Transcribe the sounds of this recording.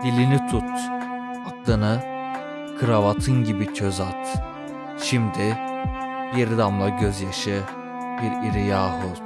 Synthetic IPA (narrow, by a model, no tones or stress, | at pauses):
d̪̥ilʲinit̪ʰut̪ | ak̪lˠɯnɯ | kʰɯɾavat̪ʰɯnɟibicʰøzat̪ | ʃimd̪i | jeɾid̪amlˠaɟøzjaʃɯ | b̥iɾiɾijaːɦɯlˠ